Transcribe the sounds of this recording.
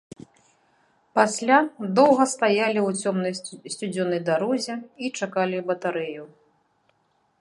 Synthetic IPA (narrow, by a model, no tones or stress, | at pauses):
pasʲlʲad̪ɔwɣɐst̪ajalʲiwʲɔmnɐsʲt͡sʲud͡zʲɔnɐjd̪aɾɔzʲɛit͡ʂakalʲibɐt̪aɾɛju